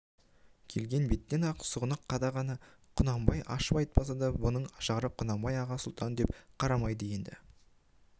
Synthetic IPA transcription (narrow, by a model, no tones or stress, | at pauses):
kʲʰe̞lɡʲe̞nbe̞t̪ːe̞nɑqʰsəʁənəqʰːɑd̪ɑʁɑnɑ | qʰʊnɑmbɑjʔɑ̰ʃəpɑjt̪̚pɑsɑd̪ɑbʊnəɴʃɑʁɾəqʰːʊnɑmbɑjɑʁɑsʊlˠt̪ʰɑnd̪e̞pqʰɑɾɑmɑjd̪əje̞nd̪ɪ̰